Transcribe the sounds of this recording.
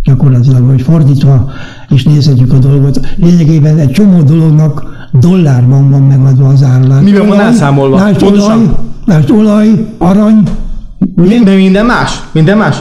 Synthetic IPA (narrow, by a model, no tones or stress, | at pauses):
ɟ̥ɒko̞rlɒt̪ilɒɡɦocfo̞rd̪iːt̪ʋɒ | eːʃneːshɛcːykɒd̪o̞lɡo̞t̪leːɲɛɡeːbɛnɛct͡ʃo̞moːd̪o̞lo̞ɡnɒk | d̪o̞lːaːrbɒɱvɒmːɛɡɒd̪ʋɒːzaːrlaːmibɛɔnɛlaːmolvmaːʃlɒjmaːʒd̪olɒjɒɾɒɲ | mid̪ɛmind̪ɛnmaːʃmind̪ɛmmaːʃ